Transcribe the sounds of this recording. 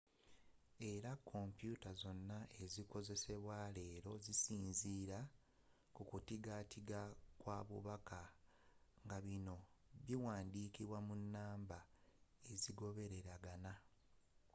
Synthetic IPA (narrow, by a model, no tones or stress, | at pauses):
e̞ɾakʰːo̞mpjutazo̞nːaʔe̞ziko̞ze̞se̞βwale̞ːɾo̞zisiːnziːɾa | kukutiɡatʰiɡakwaːβṵβaka | ŋɡaβino̞βiwaːndiːkiβwamunːaːmbae̞ziɡo̞βe̞ɾe̞ɾaɡana